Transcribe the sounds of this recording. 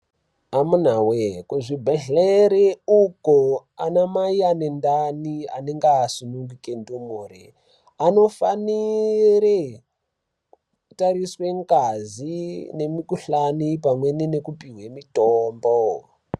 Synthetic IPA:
amun̤awekuʐibʱeɮeɾeukoanamaianendania̰neŋɡaːsunuŋɡukendumuːrḛ | ano̞faniɾe | kutaɾiswe̞ŋɡazine̞mikuɬanipamwe̞ninekupiɦwemitoːmbo

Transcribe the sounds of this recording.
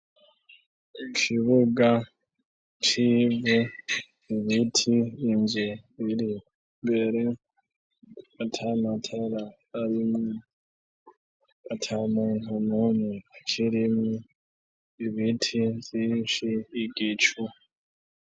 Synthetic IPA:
ikʰiβuɡa | t͡ʃibu | iβitʰiːmzeβiɾi | mbe̞ɾe | atʰamatʰeɾa | aɾimŋo | atʰamunumunut͡ʃʰiɾimŋu | iβitʰizinʃiːɡit͡ʃu

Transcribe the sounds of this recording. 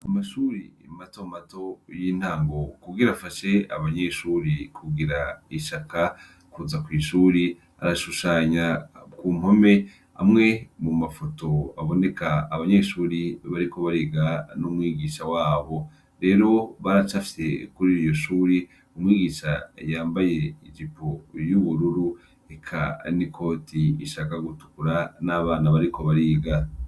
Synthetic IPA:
amaʃuːɾiematomato̞jiːn̥haːŋɡo̞kuɡiɾafaʃe̞aβaɲeːʃuːɾikʰuɡiɾaiʃakʰa | kuzakwiːʃuːɾi | a̰ɾaʃuʃaːɲakuːm̥ho̞me̞ | a̰mŋe̞mumafo̞to̞aβo̞ne̞kaːβaɲe̞ʃuːɾiβaɾiko̞βaɾiːɡanumwiːɡiːʃawaːβo̞ | ɾe̞ːɾo̞βaɾat͡ʃafi̥se̞kuɾiɾijo̞ʃuːɾi | umwiːɡiːʃajaːmbaje̞id͡ʒipojuβuɾuɾu | ekʰa̰nikʰo̞ːtʰiiʃakaɡutu̥kuɾanaβaːnaβaɾiko̞βaɾiːɡa

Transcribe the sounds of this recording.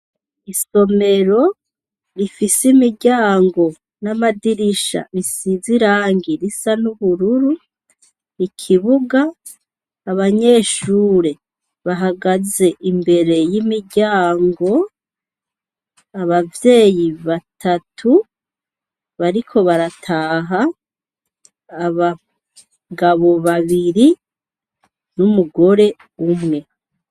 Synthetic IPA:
iso̞me̞ɾo̞ | ɾifisimiɟaːŋɡo̞ | namadiɾiʃa̰ɾisiziɾaːŋɡiɾisanuβuɾuɾu | ikʰiβuɡaː | βaɲe̞ːʃuːɾe̞ | βaɦaɡaze̞ʔimbe̞ɾe̞jimiɟaːŋɡo̞ | aβavje̞ːjiβatʰatʰu | βaɾikʰo̞βaɾatʰaːɦa | βa | ɡaβo̞βaβiɾi | numuɡo̞ɾe̞ | umŋe̞

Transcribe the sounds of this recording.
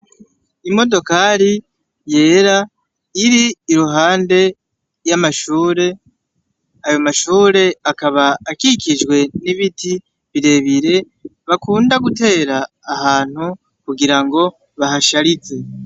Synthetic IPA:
imo̞do̞kaɾi | je̞ːɾa | iɾiːɾuɦaːnde̞ | jamaʃuːɾe̞ | ajo̞maʃuːɾe̞akaβaːkikid͡ʒɡwe̞niβiti | βiɾe̞βiɾe̞ | βakuːndaɡute̞ːɾaː | haːn̥hu | kuɡiɾaŋɡo̞ | βaɦaʃaɾit͡se̞

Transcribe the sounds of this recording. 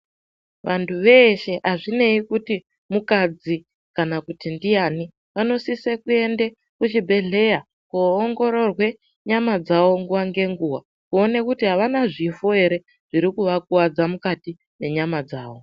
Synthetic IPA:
ʋantʰuʋe̞ʃe̞ʔaʐine̞ikuti | mukad͡zi | kanakutindijani | ʋano̞sisekue̞nde | kut͡ʃibʱe̞ɮe̞ja | kuːŋɡo̞ɾo̞rwe̞ | ɲamad͡zawo̞ŋɡuʋaŋɡe̞ŋɡuwa | kuo̞ne̞kutiɦaʋanaʐifoɦe̞ɾe̞ | ʐ̥iɾikuʋak̚uwad͡zamukati | ne̞ɲamad͡zaːʋo̞

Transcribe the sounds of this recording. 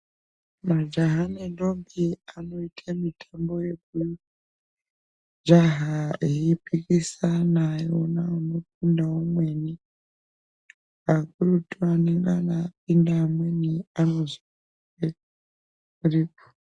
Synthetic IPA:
mad͡ʒaɦanendombiano̞itʰamitʰambo̞je̞k̚u | d͡ʒaɦaeipikisanajonaːno̞p̚indaomweni | akurutuaneŋɡanap̚indamweniano̞zi | e | kuripo̥

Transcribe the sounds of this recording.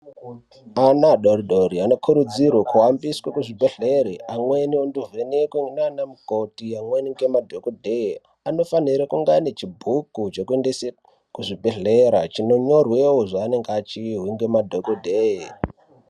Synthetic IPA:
anaɗoɾiɗoɾiano̞kʰuɾud͡zirwakuwambiswakuʐibʱeɮeɾiʔamwe̞nionduvenekwenanamukotiamweniŋɡemadʱokodʱe | ano̞faniɾakuŋɡanet͡ʃibʱukut͡ʃo̞kuendese | kuʐibʱeɮeɾat͡ʃino̞ɲo̞rwewoʐaːne̞ŋɡat͡ʃiɦwiŋɡe̞madʱokodʱee

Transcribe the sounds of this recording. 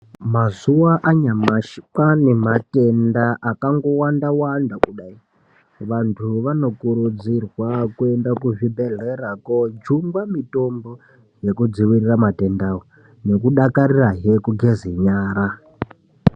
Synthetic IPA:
mazuwaʔaɲamaʃkanematendaʔakaŋɡo̞wandawandakuɗai | ʋantʰuʋano̞kuɾud͡zirwakuendakuʐibeɮeɾakod͡ʒumɡwamitombo | jekud͡ziwiriramatendaɣo | ne̞kuɗakaɾiraɦekuɡʱeziɲaːɾa

